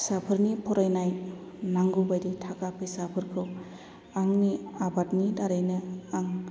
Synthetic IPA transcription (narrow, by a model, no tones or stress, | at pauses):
sapʰɯɾnipʰɔɾajnaj | naŋɡubajditʰakapʰesapʰɯɾkʰɯw | aŋniabatnidaɾajnɯaŋ